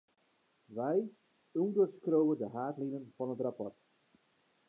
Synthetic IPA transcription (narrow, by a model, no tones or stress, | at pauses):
ʋɛj | ɔndərskrowəndəɦaːtlinənv̥ɑnɦətrapɔrt